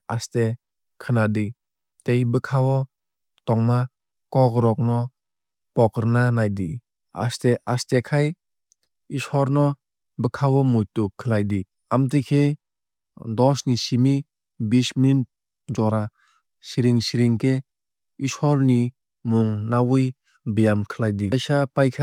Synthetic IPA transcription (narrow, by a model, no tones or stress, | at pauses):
aste | kʰɯnadi | tejbɯkʰawɔ | tɔŋma | kɔkɾɔk̚nɔ | pɔkɾnanajdi | a̰steastekʰaj | isɔɾnɔ | bɯkʰawɔmujtukʰːɯlajdi | amtɯkʰe | dɔsnisimi | bismin | d͡ʒɔɾa | siɾiŋsiɾiŋkʰe | isɔɾni | muŋnawuj | bijamkʰɯlajdisapajkʰa